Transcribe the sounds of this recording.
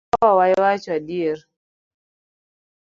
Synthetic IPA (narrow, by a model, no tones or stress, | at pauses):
wawajwat͡ʃadiɛɾ